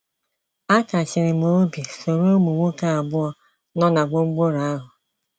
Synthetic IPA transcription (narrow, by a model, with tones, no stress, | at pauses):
a˦ka˨t͡ʃɪ˨ɾɪ˨m˨o˦bi˨so˨ɾo˦mu˨ŋʷu˦ka˦a˨bʊ˦ɔ˦ | nɔ˦na˨ɡ͡bo˦ŋ͡m̩˦ɡ͡bo˦ɾa˨a˦ɦʊ˨